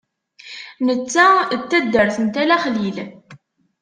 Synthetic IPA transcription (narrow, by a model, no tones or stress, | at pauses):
nət͡sːæt͡s̪ːæd̪ːəɾθənt̪ælæχlil